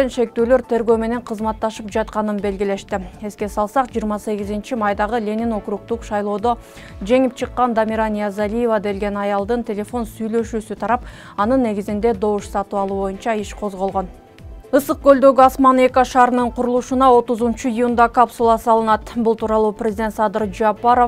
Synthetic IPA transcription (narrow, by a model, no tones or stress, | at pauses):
enʃe̞k̚t̪ølø̞ɾt̪ʰe̞ɾɡø̞ːme̞ne̞ɴqʰɯzmɑt̪ːɑʃɯpd͡ʒɑt̪̚qɑnɯnbe̞lɡʲile̞ʃt̪ie̞ske̞sɑlˠsɑqd͡ʒijːɾmɑse̞ɡʲizint͡ʃimɑjd̪ɑʁɯlʲe̞nino̞kɾuq̚t̪uqʃɑjlˠo̞ːd̪o̞ | d͡ʒe̞ŋip̚t͡ʃʰɯqːɑnd̪amʲiɾanijazalʲijevad̪e̞lɡe̞nɑjɑlˠd̪ɯnt̪ʲe̞lʲe̞fo̞nsyjlø̞ʃyːsyt̪ʰɑɾɑp̚ | ɑnɯnːe̞ɡizind̪e̞d̪o̞wuʃsɑt̪uɑlˠuːβo̞junt͡ʃɑiʃqʰo̞zʁolˠʁo̞n | ɯsɯq̚ɡø̞ld̪ø̞ɡyɑsmɑne̞koʃɑːɾɯnɯɴqʰuɾulˠuʃunɑo̞t̪uzunt͡ʃuijund̪ɑkapsulˠɑsɑlˠɯnɑt̪bulˠt̪uːɾɑlˠuːprʲezɪd̪ʲet̪sɑd̪ɯɾd͡ʒapaɾo̞f